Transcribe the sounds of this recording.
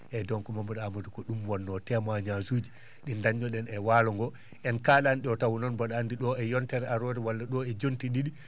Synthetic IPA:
ʔɛdɔŋkɔmambaɗamadukɔɗumwɔnːɔtɛmaɲazuːd͡ʒi | ɗindaɲːɔɗɛnɛwaːlɔŋɡɔ | ʔɛnkaːɗanɗiɔtawunɔnbaɗaːndiɗɔɛjɔntɛɾɛaɾɔɾɛwalːaɗɔɛd͡ʒontiɗiɗi

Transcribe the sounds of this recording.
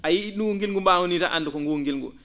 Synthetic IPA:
ajinuŋɡilŋɡumbaːŋunita̰ʔa̰ndukɔŋɡuŋɡilŋɡṵ

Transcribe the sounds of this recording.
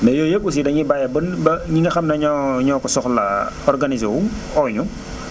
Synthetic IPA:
nɛjɔːjekːus̬idɐɲibajɐbənbɐɲiŋɡɐxɐmnɐɲɔɲɔːkɔsɔxlɐ̰ɔrɡanizewu | ɔːɲu

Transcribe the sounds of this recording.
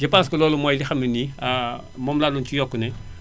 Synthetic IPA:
d͡ʒɐpanskɐlɔːlumɔːjlixɐminia | mɔːmlaːlunt͡ʃijɔkːunɛ

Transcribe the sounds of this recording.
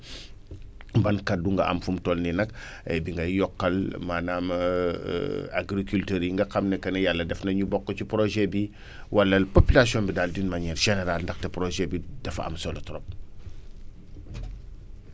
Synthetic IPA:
bɐnkaduŋɡɐa̰mfumtolninɐk | biŋɡɐjɔkːɐlmanam̰ | a̰ɡɾikultøːɾiŋɡɐkamnekɐnejalːɐdɛfnɐɲubɔkːot͡ʃupɾoʒebi | walːɐlpopilasiõmbidaldinmaɲiɾʃeneɾalndaxtepɾoʒebid̥ɐfa̰msolotɾop̚

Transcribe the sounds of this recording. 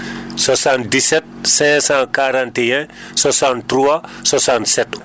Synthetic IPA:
sasãntdisɛt̪̚sɛ̃sãkaɾãnt̪eɛ̃swasãnt̪ɾuaswasãnt̪sɛt̪

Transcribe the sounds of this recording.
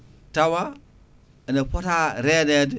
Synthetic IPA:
tawa | naɸataɾeded

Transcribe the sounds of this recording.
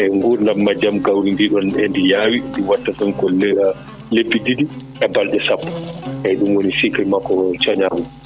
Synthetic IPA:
ʔɛŋɡuɾndamːad͡ʒamɡawɾindiɗɔnɛndijaːwiɗuwatːafɛnkɔl | lebːididiʔɛbalɗɛsapːɔ̥ʔɛɗumwonisikamakɔt͡ʃaɲamu

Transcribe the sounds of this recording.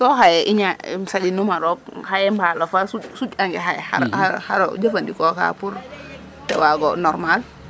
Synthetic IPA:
sɔɦajɛʔiɲasad͡ʒinumaɾɔk̚hajɛmbalɔfasusut͡ʃaŋɡɛɦajɛha̰ɾhahaɾo̰d͡ʒəfandikɔka̰puɾ | tɛwaɡɔnɔɾmal

